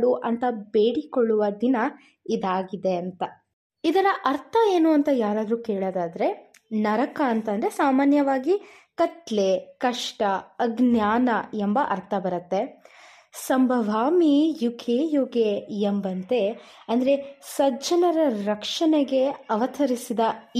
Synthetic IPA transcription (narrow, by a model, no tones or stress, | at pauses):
ɽuʔɐnt̪ɐbeːɽikoɭːuʋɐd̪inɐ | id̪aːɡid̪e̞ɐnt̪ɐ | id̪ɐnɐʔɐɾt̪ʰɐeːnuːɐnt̪ɐjaːɾaːd̪ɾuːkeːɭoːd̪aːd̪ɐɾe̞ | nɐɾɐkɐːnt̪ɐnd̪ɐɾesaːmaːnjɐʋaːɡi | kɐt̪lekɐʂʈɐɐɡnjaːnɐembɐʔɐɾt̪ʰɐbɐɾɐt̪ːe | sɐmbʱɐʋaːmijukʰeːjuɡeembɐnt̪e̞ | ɐnd̪ɐɾe̞sɐd͡ʒɐnɐɾɐɾɐkʂɐneɡe̞ɐʋɐt̪ʰɐɾisid̪ɐ